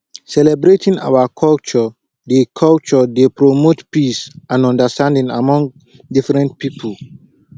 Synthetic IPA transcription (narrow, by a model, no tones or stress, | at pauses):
sɛlɛbɹetʰĩŋa̰wakʰɔlt͡ʃɔ | dekʰɔlt͡ʃɔdepɹomotpisãnɔ̃ndəstãndĩŋa̰mɔ̃ŋɡ | difɹɛ̃nt̚pipʰəl